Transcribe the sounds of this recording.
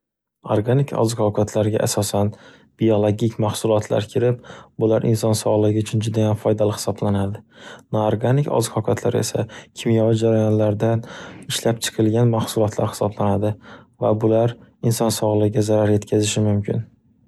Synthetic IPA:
oɾɡanikʰɒ̰zqʰɒkʰat̪ʰlaɾɡʲa̰ʔasɒsan | b̥ijolˠoɡʲikʲmahsʊlˠɒt̪ʰla̰ɾkʲʰɪɾɪp̚bʊlaɾʔɪ̰nsɒnsɒʁlˠɨaʊt͡ʃʰʊnd͡ʒʊd̪ajamfɒjd̪alɪhɪ̥sɒblanad̪ɪnoɾɡanɪkʲɒ̰zɨqʰɒkʲʰat̪ʰla̰ɾe̞̰sa̰kʲʰɪmjɒvɪd͡ʒaɾajɒnlaɾd̪anɪʃlap̚t͡ʃʰɨ̥qʰɨlˠɡʲanmahsʊlˠɒt̪ʰla̰ɾhɪ̥sɒblanad̪ɪvabʊlaɾɪnsɒnsɒʁlˠɨɪɡʲazaɾaɾje̞t̪kʲʰazɪʃɪmʊmkʲʰɪ̰n

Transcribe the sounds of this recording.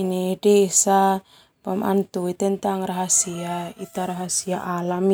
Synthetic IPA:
inedeːsa | pamʔa̰nt̪uit̪ɛnt̪aŋraɦasiait̪aɾaɦasiaʔalam

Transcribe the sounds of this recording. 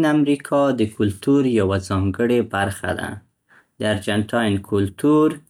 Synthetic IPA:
namɾikʰɑd̪əkʊlt̪uɾjawazɑŋɡəɽebaɾxa̰d̪a̰ | d̪əaɾd͡ʒanʈʰɑjnkʰʊlt̪uɾ

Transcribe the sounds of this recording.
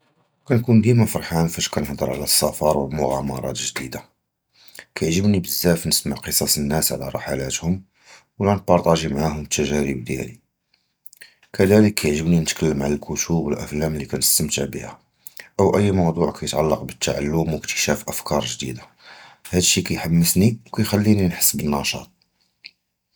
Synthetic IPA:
kænkund̪imæfɑɾˤħanfæʃkænəħd̪ˤə̰ɾˤʕa̰læsːɑfɑɾˤwəlmʊɣæmɑ̰ɾˤɑ̰t̪ʒd̪id̪a | kæjʕʒəbnibəzːæfnəsməʕqəsˤɑsənːæsʕalæ̰ɾˤɑħalæt̪hʊm | wlænpɑɾˤt̪ˤɑʒimʕahʊmt̪ːæʒæɾəbd̪jæ̰li | kəd̪æləkʰːæjəʕʒəbninət̪kʰəlːəmʕalælkʊt̪ubwəlʔæ̰flæmlːikænəst̪əmt̪aʕbḭhæ | ʔəwʔəjːmɑwd̪ˤuʕkʰæjət̪ʕalːɑqbət̪ːaʕa̰lːʊmwəkt̪ə̥ʃæfʔəfkɑɾˤʒd̪ḭd̪a | hæd̪əʃːikæjħamːəsniwkæjxælːininħə̥sːbənːɑʃɑ̰t̪̚ˤ

